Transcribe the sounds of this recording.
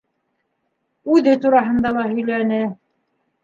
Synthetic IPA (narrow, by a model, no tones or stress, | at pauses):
ʉðɘt̪uɾɑɦɤ̆nd̪ɑlˠɑɦɵ̆jlænɘ